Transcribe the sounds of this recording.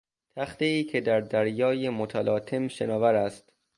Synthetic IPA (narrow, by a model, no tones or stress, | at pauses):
t̪ʰæxt̪eiːcʰe̞d̪æɾd̪æɾjɒːjemot̪ʰælɒːt̪ʰe̞mʃenɒːvæɾæst̪